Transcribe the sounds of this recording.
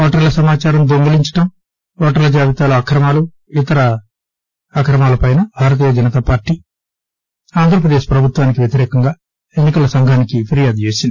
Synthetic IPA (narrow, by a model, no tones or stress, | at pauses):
ɔːʈɐɾlɐsɐmaːt͡ʃaːɾɐmd̪oŋɡɐliɲt͡ʃɐ̥ʈɐm | ɔːʈɐɾlɐd͡ʒaːʋit̪aːluɐkɾɐmaːlu | it̪ɐɾɐː | kɾɐmaːlɐpɐjnɐbʱaːɾɐt̪iːjɐd͡ʒɐnɐt̪aːpaːɾʈːi | aːnd̪ʱɾɐp̬ɾɐd̪eːʃpɾɐbʱut̪ʋaːnikiʋjet̪iɾɛːkɐŋɡaː | enːikɐlɐsɐŋɡʱaːnikipʰiɾijaːd̪t͡ʃe̞ːsindi̥